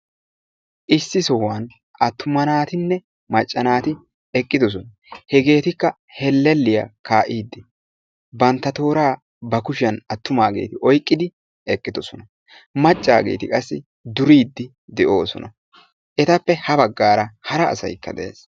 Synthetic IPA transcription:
ʔɪsːɪsɔwɐn | ʔɐt̪ːʊmɐnaːt̪ɪnːɛ | mɐt͡ʃʼːɐnaːt̪ɪ | ɛkʼːɪd̪ɔs̬ɔnɐ | hɛɡe̞ːt̪ɪkːɐ | hɛlːɛlːɪjɐ̰kʰaːʔiːd̪ːɪ | bɐnt̪ːɐt̪o̞ːɾaː | bɐkʊʃɪjɐnɐt̪ːʊmaːɡe̞̰ːt̪ɪʔɔjkʼːɪd̪ɪ | ɛkʼːɪd̪ɔsɔnɐ | mɐt͡ʃʼːa̰ːɡe̞̰ːt̪ɪkʼɐsːɪ | d̪ʊɾiːd̪ːɪ | d̪ɛʔo̞ːsɔ̰nɐ | ʔɛt̪ɐpːɛhɐbɐɡːaːɾɐhɐɾɐ̰ːsɐ̰jkːɐ̰d̪ɛʔḛːs

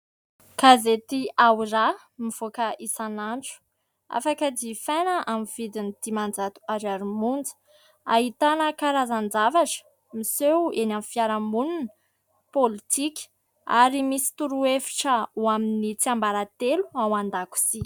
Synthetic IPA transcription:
kazet̪iawira | miv̥okəʔisanaɳʈ͡ʂu̥ | a̰fakəd̪ifajnəʔamivid̪inid̪̥imand͡zat̪u̥aɾaɾumund͡zə̥ | aɦit̪anəkaɾazand͡zavaʈ͡ʂə̥ | misewenamfiaɾamunun | polit̪ʰikʲə̥ | aɾimisi̥t̪uɾuefi̥ʈ͡ʂəuaminit͡siambaɾat̪eluawand̪aku̥si

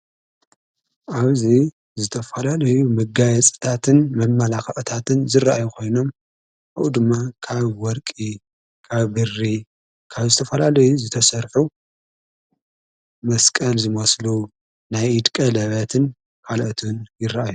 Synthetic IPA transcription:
ʔaβzi | zɨt̪ʰɐfɐlalɐjumɐɡajɐt͡sʼt̪ʰat̪ʰɨnmɐmːalaxɐʔʼt̪ʰat̪ʰɨnzɨraʔajukʰo̞jno̞m | ʔaβʔud̪ɨmːakʰaβwɔɾkʼi | kʰaβbɨrːi | kʰaβzɨt̪ʰɐfɐlalɐjuzɨt̪ʰɐsɐɾħu | mɐskʼɐlzɨmɐslu | najɨd̪kʼɐlɐβɐt̪ʰɨn | kʰalʔot̪ʰunjɪrːaʔaju

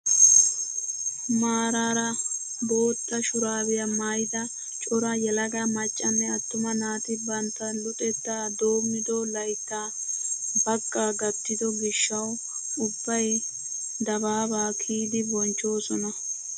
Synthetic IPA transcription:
maːɾaːɾɐ | bo̞ːt̪ːɐʃʊɾaːbɪjɐmajd̪ɐ | t͡ʃʼɔɾɐjɛlɐɡɐmɐt͡ʃʼːɐnːɛɐt̪ːʊmɐnaːt̪ɪbɐnt̪ːɐlɔt̪ʼɛt̪ːaːd̪oːmːɪd̪ɔlɐjt̪ːa | bɐkʼːaːɡɐt̪ːɪd̪ɔɡɪʃːɐw | ʊbːɐj | d̪ɐbaːbaːkʰiːd̪ɪbɔnt͡ʃːo̞ːsɔnɐ

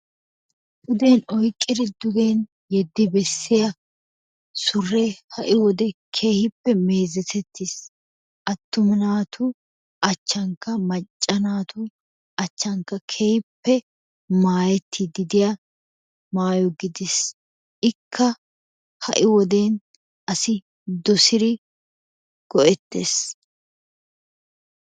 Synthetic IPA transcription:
ʔʊd̪eːnɔjkʼːɪd̪ɪd̪ʊɡeːn | jɛd̪ːɪbɛsːɪjɐ | sʊrːɛhɐʔɪwɔd̪ɛkʰeːhɪpːɛme̞ːzɛt̪ɛt̪ʰːɪs | ʔɐt̪ːʊmɪnaːt̪ʰʊ | ʔɐt͡ʃːɐŋkːɐmɐt͡ʃʼːɐnaːt̪ʊ | ɐt͡ʃːɐŋkːɐkʰeːhɪpːɛ | maːjɛt̪ʰːɪd̪ɪd̪ɪjɐ | maːjɔɡɪd̪ɪs | ʔɪkʰːɐ | hɐ̰ʔɪwɔd̪eːn | ʔɐsɪ | d̪ɔsɪɾɪ | ɡ̥ɔʔɛt̪ːes

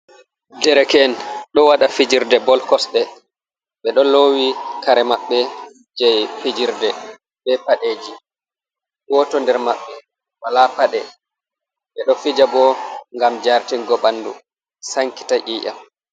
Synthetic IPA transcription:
dɛɾɛkɛnɗɔwaɗafid͡ʒiɾdɛbɔlkɔsɗɛ | ɓɛɗɔlowikaɾɛmaɓːɛ | d͡ʒɛjfid͡ʒiɾdɛ | bɛpaɗeːd͡ʒi | ɡɔtɔndɛɾmaɓːɛ | walapaɗɛ | ɓɛɗɔfid͡ʒabɔŋɡamd͡ʒaɾtinɡɔɓandu | saŋki̥taʔiːʔa̰m

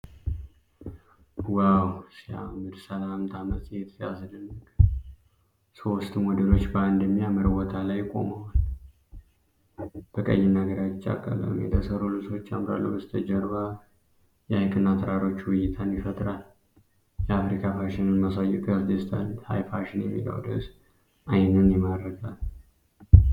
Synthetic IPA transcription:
wawsia̰mɨd̪səlaamt̪ʰamət̪et̪ʰsijaslɨnːək | so̞st̪mɔd̪əlo̞t͡ʃːband̪əmːijamɨɾɨwɔt̪ʰalajːkʼo̞̰mawal | b̥əkʼə̰jːɪnaɡəɾat͡ʃːa̰kʼːa̰lə̰wɨ̰mjɛ̰t̪ʰəsəɾolɨso̞t͡ʃːamɾa̰lːṵbəst̪ʰəd͡ʒəɾβa | jɛajkʼɨnːat̪ʰɾaɾo̞t͡ʃːwɨjɪt̪ʰanjɪfət̪ʼɾal | jɛafɾikʰafaʃɪnɨnmasajɛk̪ʼasd̪əst̪ʰalha̰jfaʃɪnjɛmːḭlə̰wd̪əs | ʔajnɨnjɛmaɾəɡal

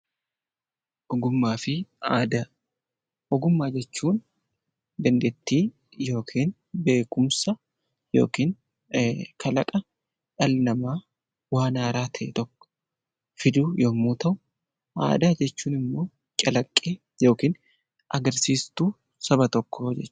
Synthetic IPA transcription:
ʔɔɡʊmːaːfɪaːd̪a | ʔɔɡʊmːaːd͡ʒɛt͡ʃːuːn | d̪ɛnd̪ɛt̪ːiː | jo̞ːkʰiːn | be̞ːkʼʊmsɐ | jo̞̰ːkiːn | kʰɐlɐkʼɐ | ᶑɐlnɐmaː | waːnaːɾaːt̪ʰɐʔḛt̪ɔkːɔ̥ | fɪd̪uːjomuːt̪ɐʔʊ | a̰ːd̪ad͡ʒɛt͡ʃːuːnɪmːo̞ː | t͡ʃʼɐlɐkʼːeː | jo̞ːkiːn | ʔɐɡɐɾsiːst̪uː | sɐbɐt̪ɔkːoːd͡ʒɛt͡ʃː

